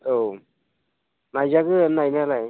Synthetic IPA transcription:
ow | najzaɡɯnajnalaj

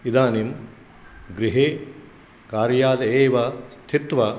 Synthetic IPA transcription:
id̪aːnim | ɡɾiɦeː | kaːɾjaːd̪ɐeːʋɐst̪ʰit̪ʋɐ

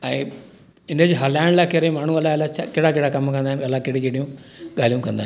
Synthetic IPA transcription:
ɐi | ɪnded͡ʑiɦɐlaːɳɖlakeɾemaːɳũɐlːaɐlːat͡ʃakɪɽakɪɽakɐmːkɐnd̪aːnɐlːakiɽikiɽijũɡaːlijũmkɐnd̪aːn

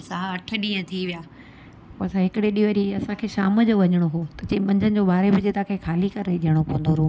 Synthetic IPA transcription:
ɐsãɐʈʰəɗĩːə̃t̪ʰiʋijaː | poːɐsãɦɪkɪɽeɗiʋəɾiɐsãkʰeːʃaːməd͡ʑoʋɐɲəɽ̃oɦoːt̪ɐt͡ɕẽːmɐ̃ɲd͡ʑənɪ̆d͡ʑoːɓaːɾebɪd͡ʑeːt̪ʰãkʰeːkʰaːlikɐɾeɗiɦəɽ̃opõɦə̃nd̪oɾuː

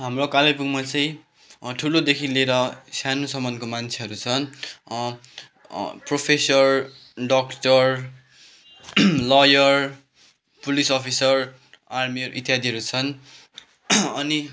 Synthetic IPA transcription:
ɦamrokalepukmat͡sãĩ | ʈʰulod̪ekʰileɾʌsjanusʌmʌnd̪komant͡sʰeɦʌɾut͡sʰʌn | propʰesʌr | ɖʌkʈʌr | lʌjʌr | pulisʌpʰisʌr | armiʌɾuʔit̪ːjɦad̪iɦʌɾut͡sʰʌn | ʌni

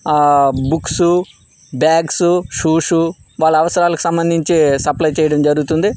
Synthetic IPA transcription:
buksu | bjaːɡsuʂuːʂu | ʋaːɭːɐʋɐsɐɾaːlɐku̥sɐmbɐnd̪ʱiɲt͡ʃisɐplɐjt͡ʃɛːjɐɽɐmd͡ʒɐɾuɡut̪und̪i

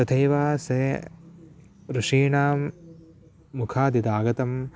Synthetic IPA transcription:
ɐt̪ʰɐjʋaːse | ɾuʂiːɳaːmː | ukʰaːd̪id̪aːɡɐt̪ɐm

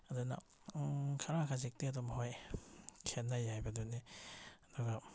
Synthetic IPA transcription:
aduna̰ | kʰaɾakʰazik̚tiatɔmɦɔj | kʰenːajajbaduni | dɔɡa

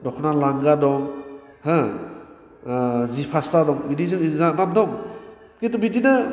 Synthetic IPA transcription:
dɔkʰɔnalaŋɡadɔŋ | hɯ | zipʰastadɔŋbidizɯŋzanap̚dɔŋ | ketubidinɯ

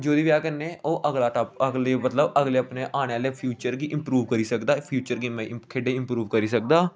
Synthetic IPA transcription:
d͡ʒoːd̪iːʋjaːkənːeːoːʔəɡlaːʈap̚əɡleːmət̪ləbəɡleːapneːʔaːɽ̃eːaːleːpʰjuːt͡ʃəɾɡiːʔɪmpɾuːʋkəɾiːsəkd̪aːpʰjuːt͡ʃəɾɡiːmɛ̃ːkʰeːɖeːɪmpɾuːʋkəɾiːsək̚d̪aː

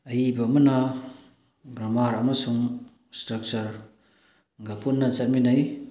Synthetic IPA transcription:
ɐjibɐmɐna | ɡɾamaɾamɐsuŋ | stɾɐk̚t͡ʃɐɾ | ɡapʰunːɐsɐt̚minaj

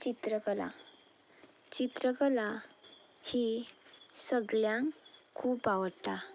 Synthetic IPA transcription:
t͡ɕit̪ɾəkəla̰ | t͡ɕit̪ɾəkəla | hi | səɡljãŋkʰuːpaʋəɽt̪a

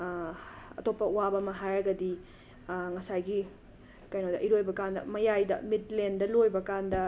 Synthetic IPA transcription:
ɐ̰topːɐuwabɐmɐɦajɾɐɡɐdi | ŋɐsajɡi | kɐjnodɐʔiɾojbɐkandɐ̰mɐjajdɐ̰mitlendɐlojbɐkandɐ

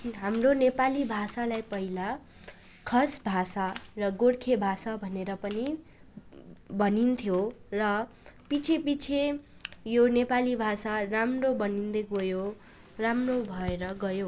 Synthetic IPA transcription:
ɦamronepalibʱasalajpʌɦila | kʰʌsbʱasarʌɡoɽkʰebʱasabʱʌneɾʌpʌni | bʌnint̪ʰjorʌ | pit͡sʰepit͡sʰe | jonepalibʱasaramrobʌnind̪ekojo | ramrobʱʌeɾʌɡʌjo

